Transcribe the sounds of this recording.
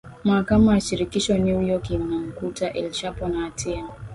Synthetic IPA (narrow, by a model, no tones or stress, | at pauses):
makamaʃiɾikiʃɔnujɔkinaŋ̩kutaʔɛlʃapɔnatʰia